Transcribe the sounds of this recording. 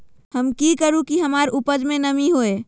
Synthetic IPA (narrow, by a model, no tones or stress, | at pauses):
həmkikəɾũkiɦəmaːɾupəd͡ʒmẽnəmiɦoe